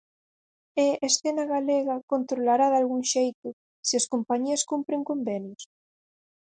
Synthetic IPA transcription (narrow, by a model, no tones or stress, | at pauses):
eesθenaɣaleɣɐkont̪ɾolaɾaðalɣuŋʃejt̪ʊ | sɪɐskompaɲiɐskumpɾeŋkombenjos